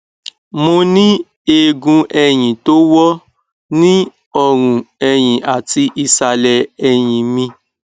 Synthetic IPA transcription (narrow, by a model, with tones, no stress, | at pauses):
mõ˧nĩ˦ | e˧ɡũ˧ʔɛ˧j̃ĩ˨to˦wɔ˦ | nĩ˦ | ɔ˦˨ɾ̃ũ˨ɛ˧j̃ĩ˨ʔa˨ti˧ʔi˧sa˧lɛ˧ɛ˧j̃ĩ˨mĩ˧